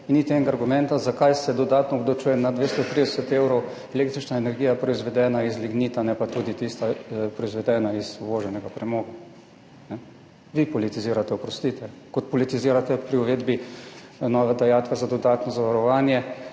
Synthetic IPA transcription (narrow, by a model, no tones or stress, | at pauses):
init̪ɛŋɡaːɾɡumɛnt̪azakajsɛd̪ɔd̪aːt̪nɔːbd̪ɔt͡ʃuːjɛnad̪ʋest̪ɔt̪ɾid̪ɛsɛt̪ewɾɔwɛleːkt̪ɾit͡ʃnaenɛɾɡiːjapɾɔizʋɛd̪ɛːnaizliɡniːt̪anɛpat̪uːd̪it̪ist̪apɾɔizʋɛd̪ɛːnaizuʋoːʒɛnɛɡapɾɛmoːɡa | nɛ | ʋipɔlit̪iziːɾat̪ɛɔpɾɔst̪it̪ɛkɔt̪pɔlit̪iziːɾat̪ɛpɾiɔʋeːd̪bi | nɔːʋad̪ajaːt̪kɛzad̪ɔd̪aːt̪nɔzaʋaɾɔʋaːnjɛ